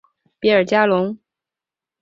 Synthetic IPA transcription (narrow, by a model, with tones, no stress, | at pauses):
pi˧˥ə˞˨˩t͡ɕja˥lʊ˧˥ŋ